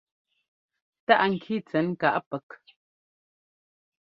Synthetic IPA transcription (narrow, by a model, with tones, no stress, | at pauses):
ta˦ʔŋ̩˨kʰi˦˨t͡sɛ˨˦n˦ka˨ʔpɛ˨k